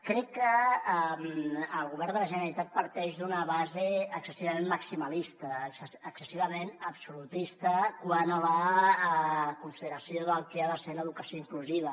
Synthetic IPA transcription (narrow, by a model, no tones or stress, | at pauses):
kɾɛkːəmːlˠɣuβɛrnd̪ələʒənəɾəɾit̪at̪̚pəɾt̪ɛʒd̪unəβazeəksəsiβɐmemːəksiməlist̪əəksəsiβ̞əmenəpsulut̪ist̪əkwanələ | kunsiðəɾəsioðəlˠkeaðəseləðukəsioiŋkluziβ̞ə